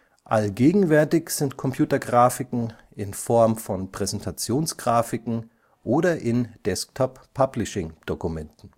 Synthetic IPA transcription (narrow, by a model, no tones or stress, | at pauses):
ʔalɡeːɡŋ̩vɛɐtɪçz̥ɪntkʰɔmpʰj̥uːtɐɡʁaːfɪkŋ̩ | ʔɪnfɔɐmfɔnpʁ̥ɛzɛntʰat͡sjoːnsɡ̥ʁaːfɪkŋ̩ | ʔoːɾɐʔɪnd̥ɛsk̚tʰɔpʰːablɪʃɪŋd̥okumɛntn̩